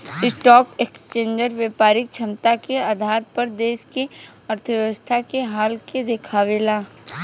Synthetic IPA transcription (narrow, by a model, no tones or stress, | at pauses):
ɪsʈɔːkekst͡ʃẽːɲd͡ʒəɾʋjeːpaːɾɪk̚t͡ʃʰɐmt̪akeaːd̪ʱaːɾpɐɾd̪eːʃke | ɐɾt̪ʰəʋjəʋəst̪ʰakeɦaːlked̪ekʰaːʋeːlaː